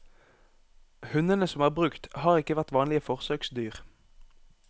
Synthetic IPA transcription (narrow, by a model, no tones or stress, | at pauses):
hʉnənəsɔmæːʁbʁʉkt̪hɑːʁɪkəʋæʁt̪ʋɑːnlɪəfɔʁsøːksd̪yːʁ